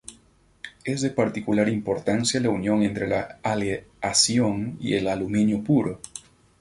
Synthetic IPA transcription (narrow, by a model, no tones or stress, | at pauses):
ezðepaɾt̪ikulaɾimpo̞ɾt̪ansjalaunjõ̞ŋe̞nt̪ɾelaaleasjoŋḭḛlalumĩnjopuɾo